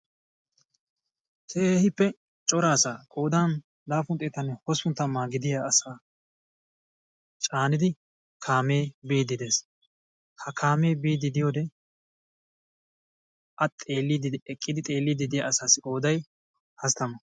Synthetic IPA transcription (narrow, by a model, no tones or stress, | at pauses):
hehɪpːɛ | t͡ʃʼɔɾaːsaːkʼo̞ːd̪aːn | laːfʊnt̪ʼeːt̪ɐnɛhɔsʊnt̪ːɐmːaːɡɪd̪ɪjaɐsaː | t͡ʃʼaːnɪd̪ɪ | kʰaːme̞ːbiːd̪ɪd̪e̞ːs | hɐkʰaːme̞ːbiːd̪ɪd̪ɪjoːd̪ɛ | ʔɐt̪ʼːeːlːɪd̪ɪɛkʼːɪd̪ɪt̪ʼe̞ːlːɪd̪ɪd̪ɪja̰ɐsaːsɪʔʼo̞ːd̪ɐj | hɐst̪ɐmɐ